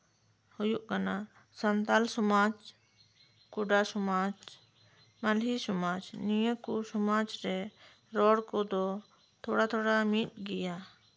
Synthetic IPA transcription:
hujuʔkana | sənt̪alsɔmad͡ʒ | kuɖasɔmad͡ʒ | malɦisɔmad͡ʒnijəkusɔmad͡ʒɾɛ | ɾɔɽkɔd̪ɔ | t̪ʰoɽat̪ʰoɽamit̪̚ˀɡɛja

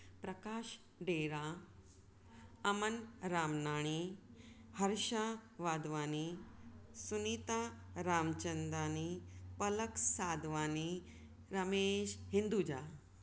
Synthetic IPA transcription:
pɾɐkaːʃ | ɖeːɾa | əmənɾaːmnaːɽ̃i | həɾʃaʋaːd̪ʋaːni | sunit̪aɾaːmt͡ɕənd̪aːnipələksaːd̪ʋaːni | ɾəmeɕhind̪ud͡ʑaː

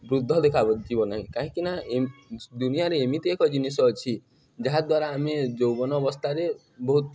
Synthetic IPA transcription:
bɾud̪ʱːɔd̪ekʰabɔd͡ʒibɔnaɦĩkaɦĩkina | d̪unijaɾeːmit̪iekɔd͡ʒinisɔːt͡ʃʰi | d͡ʒaɦad̪waɾaːmed͡ʒowbɔnɔːbɔst̪ʰaɾe | bɔɦut̪̚

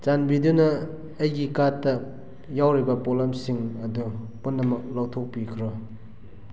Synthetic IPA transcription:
t͡ʃanbidunɐː | jɡikatːɐ | jawɾibɐpolamsiŋɐdu | punːɐmɐk̚lawtʰok̚pikʰɾɔ

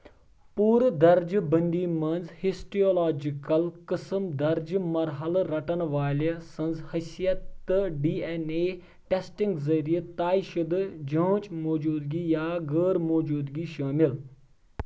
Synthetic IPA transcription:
puːɾd̪ɐɾd͡ʒbə̃nd̪iːmɐnzhisʈioːlaːd͡ʒikɐlkəsəmd̪ɐɾd͡ʒmɐɾɦɐlɾɐʈɐnʋaːlesɐ̃nzhɐsijɐt̪ːɨɖiːeneː | ʈesʈiŋɡzɐɾijət̪aːiʃɐd̪d͡ʒə̃ːt͡ʃmoːd͡ʒuːd̪ɡiːjaːɡəːɾmoːd͡ʒuːd̪ɡiːʃaːmil

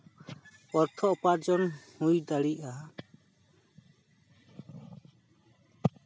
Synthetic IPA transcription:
ɔɾt̪ʰɔʔɔpaɾd͡ʒɔnhujd̪aɽiʔa

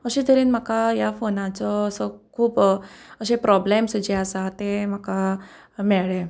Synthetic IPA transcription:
əɕiːd̪ʱəɾiːnm̤əkajafonat͡sɔəsɔkʰuːpəɕepɾɔblemsəd͡ʑeasat̪em̤aka | meɭe

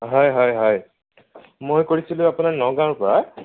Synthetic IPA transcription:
ɦɔjɦɔjɦɔj | mojkoɹisilʊ̃apunaɹnɔɡãɹpɔɹa

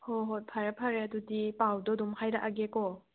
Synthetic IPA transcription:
hoɦɔt̚pʰaɾapʰaɾeadudipawdɔdumhajɾaʔaɡekɔ

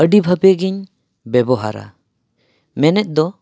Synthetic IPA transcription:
əɖibʱəbɛɡiɲ | bɛbɔɦaɾa̰ | mɛnɛt̪̚ˀd̪ɔ

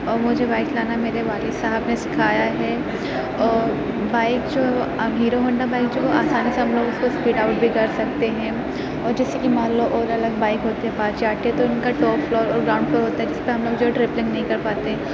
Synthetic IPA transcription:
ɔːɾmʊd͡ʒʱebaːɪklaːnameːɾeʋaːlɪsaɦəbnesɪ̥kʰaːjaɦɛː | ɔːɾ | baːɪkd͡ʒoːɦɛʋoɦiːɾoɦɐ̃ɳɖabaːɪk̚d͡ʒoːʋoa̰ːsaːniseɦɐmloːɡʊskospiːɖaʊʈ̚bʱiɡɐɾsɐk̚t̪eɦɛ̃ː | ɔːɾd͡ʒɪskimaːloʔɔːɾɐləɡ̚baːɪkɦoːt̪eɦɛ̃paːt͡ʃiaːʈeɦɛt̪oɪnkaʈɔːpflɔːɾɔːɾɡɾaːʊ̃ɳɖ̚pɐɾɦoːt̪aɦɛd͡ʒɪspeɦɐmloːɡd͡ʒoːɦɛʈɾɪplɪ̃ŋɡnɐɦĩkɐɾpaːt̪eɦɛ̃

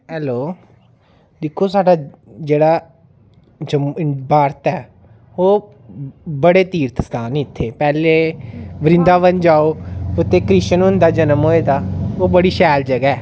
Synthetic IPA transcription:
ɦɛːloː | d̪ɪkʰːoːsaːɖaːd͡ʒeːɽaː | d͡ʒəbaːɾt̪ɛː | oː | bəɽeːt̪iːɾt̪ʰəst̪aːnɪt̪ʰːeːpɛːleːbəɾɪ̃nd̪aːβənd͡ʒaːoːpʊt̪ːeːkɾɪt͡ʃənʊnd̪aːd͡ʒənəmɦoːeːd̪aːoːbəɽiːʃɛːld͡ʒəɡɛː

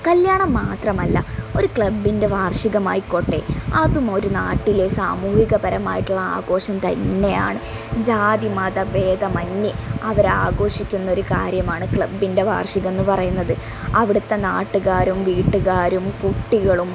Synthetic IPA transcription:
kɐljaːɳɐmːaːt̪rɐmɐlːɐ̰o̞ɾukɭɐbːinde̞ʋaːrʂiɣɐmaːjiko̞ʈːeɐðumo̞ɾunaːʈːile̞saːmuːhiɣɐpɐɾɐmaːjiʈːuɭːɐaːɡo̞ːʂɐmt̪ɐnːe̞ja̰ːɳɨ | d͡ʑaːd̪imɐd̪ɐʋe̞ːd̪ɐmɐnːjiɐʋɐɾaːɡo̞ːʂikʲːunːɐo̞ɾukaːɾjɐmaːɳɨkɭɐbːinde̞ʋa̰ːrʂiɣenːɨpɐrɐjunːɐðɨ | ɐʋiɽut̪ːɐnaːʈːuɣaːɾumʋiːʈːuɣaːɾumkuʈːiɣɐɭum

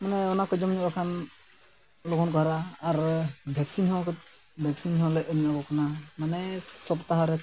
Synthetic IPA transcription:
manɛɔnakɔd͡ʒɔmɔɲuakʰan | lokʰɔnkɔɦaɾaːɾbʱɛksinɔwak | bʱɛksinhɔwalɛʔənnabɔkanamanɛsɔbt̪aɦaɾɛ

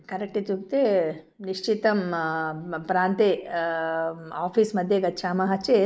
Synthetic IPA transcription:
kɐɾek̚ʈit̪ukt̪e | niʂt͡ʃit̪ɐm | pɾaːnt̪e | aːpʰiːsmɐd̪ʱjeɡɐtːʃʰaːmɐɦɐt͡ʃe

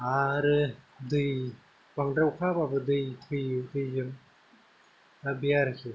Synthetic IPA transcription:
aɾɯ | d̪ɯj | b̥aŋdɾawkʰapabɯd̪ɯjtʰɯjɯtʰɯjjɯm | abijaɾɯkʰɯ

